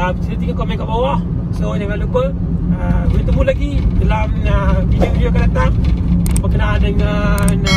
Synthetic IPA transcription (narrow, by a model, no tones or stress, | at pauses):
ət͡ʃit̪ət̪iɡakomɛnkaʔbawah | sodaɡaʔlupə | əbulit̪əmulaɡidalaməvidiovidiokandat̪ambəkənaandəŋan